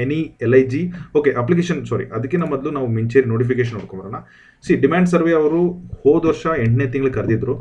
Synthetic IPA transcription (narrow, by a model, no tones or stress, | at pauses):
enielɐjd͡ʒioːkeʔɐp̬lik̬eːʃɐnsɔːɾḭʔɐd̪ɐkːenɐmːɐd̪lunaːʋumiɲt͡ʃeːɾinoːʈipikeːʃ̬ɐnːoɽ̚kombɐɾaːna | siɖimaːɳɖs̬ɐɾʋeːɐʋɐɾuhoːd̪ʋɐɾʂɐeɳʈneːt̪iŋɡɐlkɐɾd̪id̪ɾu